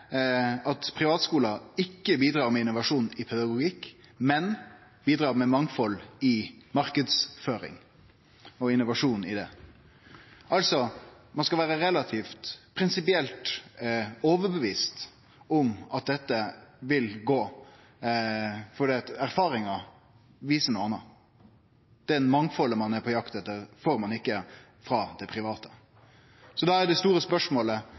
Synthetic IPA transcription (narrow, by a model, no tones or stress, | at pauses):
ɑt̪pʰɾɪʋɑːt̪skuːlɑɪkːəbiːd̪ɾɑːɾmɛɪnʊʋɑʂuːnɪpʰɛd̪ɑɡʊɡɪkːmɛnbiːd̪ɾɑːʁmɛmɑŋfɔlɪmɑɾkəd̪sføːɾɪ̰ŋ | ɔɪnːʊʋɑʂuːnɪ̰d̪ɛ | ʔɑlsɔ | mɑnskɑʋæːɾəɾɛlɑt̪ʰiːft̪pʰɾɪnsɪpɪɛlt̪ | oːʋəɾbəʋiːst̪ | ɔmɑt̪̚d̪ɛt̪ːəʋɪlɡoː | fɔɖ̪iːɑt̪æɾfɑːɾɪŋɑ | ʋiːsənuːɑnːə | d̪̥ɛnmɑŋfɔlːəmɑnɛpʰɔjɑkt̪ɛt̪ːəɾfoːɾmɑnɪkːə | fɾɑːd̪ɛpʰɾɪʋɑːt̪ə̥ | sɔd̪ɑæɖ̪ɛst̪uːɾəspœʂmoːlə